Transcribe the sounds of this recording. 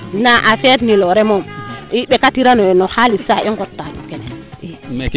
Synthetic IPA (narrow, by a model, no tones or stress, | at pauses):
naʔafeɾniloɾemomiɓekatiɾanonohalisaʔiŋɡotːano̰kenḛi